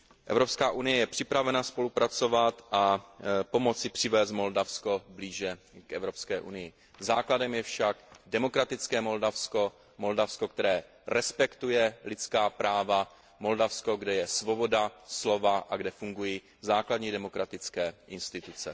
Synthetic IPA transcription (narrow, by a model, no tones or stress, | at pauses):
ʔɛ̰vɾo̞pskaːʔunɪjɛjɛpr̝̥ɪpɾavɛnaspo̞lupɾat͡so̞vat̪ʔapo̞mo̞t͡sɪpr̝̥ɪvɛːs̬t̪mo̞ldafsko̞bliːʒɛ | kʔɛvɾo̞pskɛːʔunɪjɪ | zaːkladɛmjɛfʃaɡdɛmo̞kɾat̪ɪt͡skɛːmo̞ldafsko | mo̞ldafsko̞k̚t̪ɛɾɛː | ɾɛspɛkt̪ujɛlɪt͡skaːpɾaːva | mo̞ldafsko̞ɡdɛjɛsvo̞bo̞daslo̞vaʔaɡdɛfuŋɡuji | zaːkladɲiːdɛmo̞kɾat̪ɪt͡skɛːʔɪnst̪ɪt̪ut͡sɛ